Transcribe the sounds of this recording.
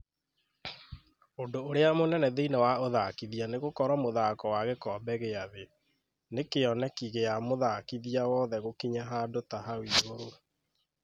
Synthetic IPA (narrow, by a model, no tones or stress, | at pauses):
odoːɾeamonɛnɛðeinɛwaoðakiðianeɣokɔɾamoðakɔwaɣekɔːbɛɣeaðe | nekeɔnɛkiɣejamoðaːkiðiawɔːðɛɣokiɲaɦadotaɦawiːɣoɾo